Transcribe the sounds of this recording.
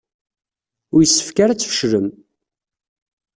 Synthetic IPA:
ʊɾjəsːə̥fkaɾat͡sːfə̥ʃləm

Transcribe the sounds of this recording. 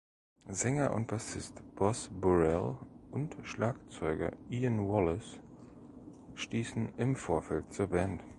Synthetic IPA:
zɛŋɐʔʊ̰nt̚b̥asɪstb̥ɔsbuʁɛlʊntʃlaːkt͡sɔʏɡɐ̰ʔiːənwɔlɪs | ʃtiːsn̩ʔɪmfoːɐfɛlt̚t͡suːɐbɛnt

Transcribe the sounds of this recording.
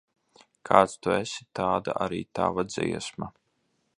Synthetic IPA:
kʰaːt̪st̪uɛsit̪aːd̪a̰ʔaɾiːt̪a̰ːvad̪ziɛsma

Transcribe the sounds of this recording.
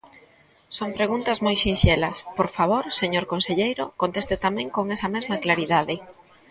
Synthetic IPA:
soŋpɾeɣunt̪ɐzmojsinʃɛlɐspoɾfaβ̞oɾseɲoɾkonseʎejɾokont̪est̪et̪amɛ̃ŋkoŋɛsɐmezmɐklaɾiðaðɪ

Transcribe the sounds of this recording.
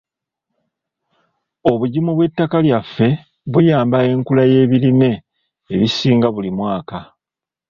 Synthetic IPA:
o̞βuɟimuβwe̞tːakaljafːe̞ | βujaːmbae̞ŋkulaje̞ːβiɾine̞ː | βisiːŋɡaβulimwaːka

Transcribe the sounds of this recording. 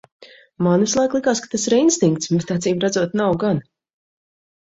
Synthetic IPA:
manvislˠajklˠikaːskḁt̪asiɾinst̪iŋk̚t̪sbɛt̪at̪siːbɾad̪zuɔt̪nawɡan

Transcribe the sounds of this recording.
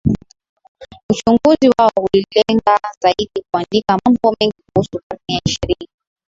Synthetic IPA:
ut͡ʃuŋɡuziwaɔhulilɛŋɡazaiɗik̚uandikamambɔmɛŋɡikuhusukaɾnijaiʃɛɾia

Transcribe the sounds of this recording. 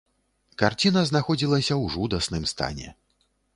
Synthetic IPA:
kart͡sʲinɐznaxɔd͡zʲilˠɐsʲɐwʐud̪ɐsnɨmst̪a̰nʲɛ̰

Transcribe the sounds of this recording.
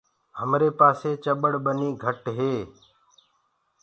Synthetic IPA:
ɦəmɾeːpaːseːt͡ʃəɓəɽɓəniːɡʱəʈɦeː

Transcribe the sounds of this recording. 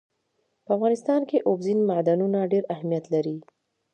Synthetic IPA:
pəafɣɑnɪst̪ɑnkeʔobzinmaʕd̪anunaɖeɾahmijat̪laɾi

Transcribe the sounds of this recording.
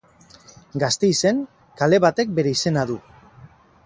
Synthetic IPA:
ɡast̪e̞ise̞ŋ | kale̞βat̪e̞k̚be̞ɾe̞ise̞naðu

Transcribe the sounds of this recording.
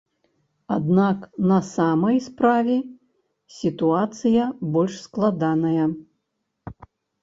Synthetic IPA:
ad̪naknɐsamɐjspɾavʲɛ | sʲit̪uat̪sɨjɐbɔlʲʂsklˠad̪anɐjɐ

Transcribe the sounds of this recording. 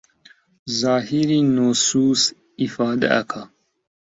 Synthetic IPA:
zaːhiɾinosuːs | ifɑːd̪a̰ɐ̰kʰa

